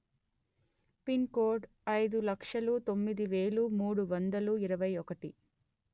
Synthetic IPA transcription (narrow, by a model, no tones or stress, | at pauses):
pinkoːɖ | ɐjd̪ulɐkʂɐlut̪o̞mːid̪iʋeːɭumuːɽuʋɐnd̪ɐluiɾɐʋɐjɔkɐʈi